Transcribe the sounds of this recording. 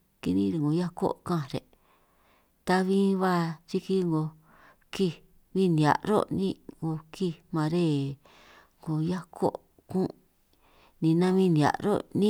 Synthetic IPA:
ki˧nĩ˦˧ɾe˧˨ŋɡo˨ja˦ko̰˦kã˦˨ɾḛ˨ | t̪a˧βĩ˦βa˦t͡ʃi˦ki˦ŋɡo˧ | ki˧˨ | βĩ˦nĩ˨a̰˨ɾo̰˦˨nĩ˦˧ŋɡo˧kʰi˦˧mã˧ɾe˦˨ | ŋɡo˧˨ja˦kʰo̰˦˨ | kũ˦ | nĩ˧nã˦βĩ˦nĩ˨a̰˨ʔɾo̰˦nĩ˦

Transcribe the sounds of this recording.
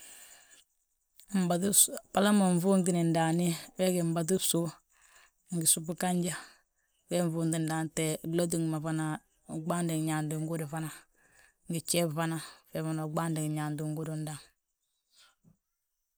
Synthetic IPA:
m̩˨ba˨tpa˨la˦ma˨ɱ̩˨vu˦nd̬i˨ni˨n̩˨da˨ni˦wɛ˦ɡi˨m̩˦ba˨t̬u˦su˦ | ŋ̩˨ɡi˨su˦pu˦ka˦ɲd͡ʒa˦ | wɛ˦ɱ˦˨vu˦ndi˨n˨da˨n˨tɛ˨lo˦d̬u˦˨ŋ˨ma˨va˦na˨ | ɡ͡ba˦n˦di˨ŋ˨ɲa˨ndu˨ŋ˦ɡu˦du˨va˦na˨ | ŋɡi˨t͡ʃɛ˦˨va˦na˨fɛ˨va˨na˨ɡ͡ba˦ndi˨ŋ˨ɲa˨ndu˨ŋ˦ɡu˦du˨n̩˦da˨ŋ

